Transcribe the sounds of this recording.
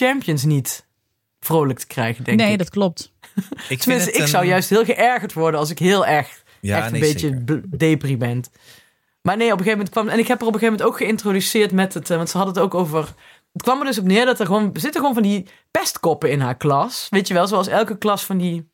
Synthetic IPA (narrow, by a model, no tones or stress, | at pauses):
t͡ʃɛmpijəns̬nit | v̥rowlək̚tʰə̥krɛ̰jɣəndɛŋnedtklɔp̚t | təmɪnstəɪksɑwjœɥstɦɪːlˠɣəʔɛɹɣəɹtʋɔɹdənɑlˠs̬ɪkɦɪːlˠɛɹxt | ɛxtəbejtəbdejpribɛn | maːɹnejɔp̬əɣejvəmɛnt̚kʋɑmɛnɪkɦɛpərɔpxevəmɛntowkχəɪntrodysɪːɹtmɛtətʋɑntsəɦɑdəətowkowvər | ətkʋɑməɹdɵs̬ɔpnɪːɹdɑtɛɹɣəʋoːnzɪtəxəʋoːnvɑndi | pɛstkɔpəɪnɦaːɹklɑsʋejtjəʋɛlˠzoɑlˠsɛlˠkəklɑsfɑndi